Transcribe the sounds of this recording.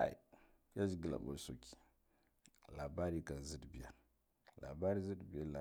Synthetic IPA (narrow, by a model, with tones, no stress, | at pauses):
a̰˨ḭ˨ | ja˦d͡ʒi˨ɡi˨la̰˨ɓo̰˨so˨ki̥˨ | la˨ba˦ɾi˦ka˨n˨zi˦dbi˨ja˨ | la̰˨ba˦ɾi˦zɨ˦dbi˨ja˦la˨